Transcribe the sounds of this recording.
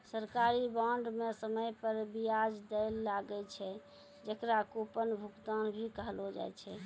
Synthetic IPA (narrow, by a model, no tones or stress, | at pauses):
səɾkaɾibaɳɖmesəməjpəɾbijad͡ʒd̪əlːaɡɛt͡ʃʰɛ | d͡ʒəkɾakupənbʱukt̪anbʱikəɦəlɦod͡ʒa̰jt͡ʃʰɛ